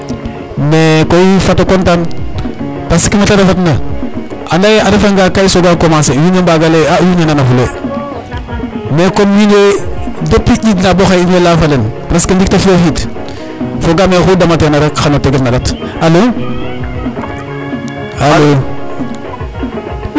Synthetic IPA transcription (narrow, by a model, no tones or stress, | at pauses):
mekoifatokontan | pasikimetadafatna | anajeaɾifaŋɡakaisoɡakomasejunembaɡaleajunenanafulo | mekomjunedapːiʔidnaboxainelafalen | ɾaskadik̚tafioxit | foɡamexudamatenaɾakxanoteɡetnaɾat | alo | alo